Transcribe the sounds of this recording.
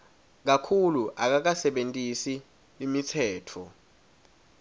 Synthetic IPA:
k̬akʰuluʔak̬ak̬asɛɓentʼisi | imitʰɛːtʰɔ

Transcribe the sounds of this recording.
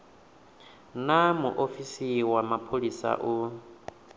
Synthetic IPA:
namuʔofisiwamapʰolisa̰ʔu

